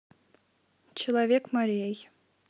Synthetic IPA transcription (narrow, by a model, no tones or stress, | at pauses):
t͡ʃʰilˠavʲekʰmaɾʲijej